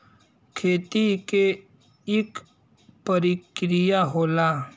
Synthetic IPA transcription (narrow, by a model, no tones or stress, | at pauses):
kʰeːt̪ike | ɪk | pəɾikɾijaɦoːla